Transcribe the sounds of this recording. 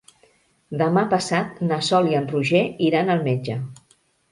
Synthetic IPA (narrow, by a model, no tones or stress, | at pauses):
d̪əmapəsat̪nəsɔliənruʒeiɾanəlˠmed͡ʒə